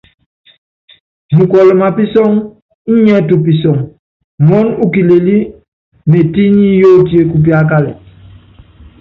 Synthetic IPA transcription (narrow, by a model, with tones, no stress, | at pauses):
mu˨kɔ˨lɔ˨ma˨pi˦sɔ˦ŋ | i˦ɲɛ˦t̬u˨p̬i˨sɔ˨ŋ | mɔ˦nu˦ki˨le˨li˦ | me˨ti˦ɲi˦jo˦˨ti˦e˦ku˦p̬i˦a˦k̬a˦lɛ̰˨